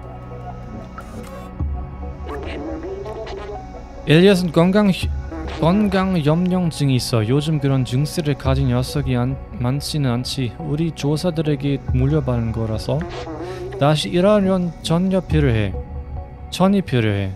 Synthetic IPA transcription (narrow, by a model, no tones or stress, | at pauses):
eʎːiʌs̬ʰɯn | kʌnɡaŋjʌmɲʌŋd͡ʑɯŋiːs͈ʌjod͡ʑɯmkɯɾʌnt͡ɕɯŋs͈eɾɯɭkad͡ʑinjʌs͈ʰʌɡi | mant͡ɕʰinɯnant͡ɕʰiuɾit͡ɕosʰadɯɾe̞ɡemuʎjʌbanɯnɡʌɾasʰʌ | taɕ̬ʰiʔːɾaʌnt͡ɕʌnʌpʰɾoɦḛ | t͡ɕʰʌnipʰjʌɾjoɦe̞̰